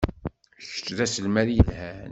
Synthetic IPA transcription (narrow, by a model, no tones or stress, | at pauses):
çə̥t͡sːðæsəlmæðjəlhæn